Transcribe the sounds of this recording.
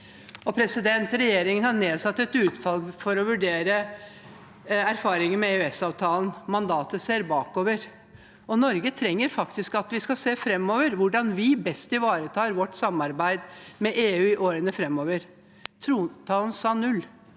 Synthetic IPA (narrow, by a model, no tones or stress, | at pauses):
ɔpʰɾɛsɪd̪ɛnt̪ɾɛjeːɾɪŋənhɑneːd̪sɑt̪ːɛt̪ʉːt̪fɑlfɔɾɔʋʉɖeːɾə | æɾfɑːɾɪŋənmɛeʉɛsɑːʋt̪ʰɑːlən̩mɑnd̪ɑːt̪əseːɾbɑːkoːʋəɾ | ɔnɔɾɡət̪ʰɾɛŋːəɾfɑkt̪ɪskɑt̪ʋɪskɑseːfɾɛmːɔːʋəɾʋʊɖɑnʋɪbɛst̪ɪʋɑːɾət̪ʰɑːɾʋɔʈːsɑmɑɾbæɪd̪mɛʔeːʉːɪʔoːɾənəfɾɛmːɔːʋəɾ | t̪ʰɾuːt̪ʰɑːln̩sɑːnʉlː